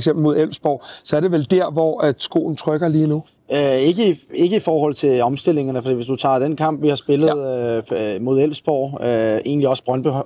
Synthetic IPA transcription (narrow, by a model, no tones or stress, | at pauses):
ɡ̥sem̰b̥lmo̝ð̰ˠel̰sb̥ɒ̰ʊ̰sɒ̽æɐd̥e̝ʋeld̥æɐ̰ʋɒæsɡ̥o̝̰ːn̩t͡sʰʁœɡ̥ɐliːnu | øe̝ɡ̥əe̝ɡ̥əifɒːhɒ̽l̰t͡sʰe̝lɒ̽msd̥e̝l̰e̝ŋɐnəfɒd̥ḭːʋesd̥ut͡sʰɑ̰̈ːd̥enkʰɑ̈m̰b̥ʋihɑ̈sb̥e̝lð̩ˠ | mo̝ð̞ˠel̰sb̥ɒ̰ːøe̝̰ːnliɒ̽sb̥ʁɶnb̥e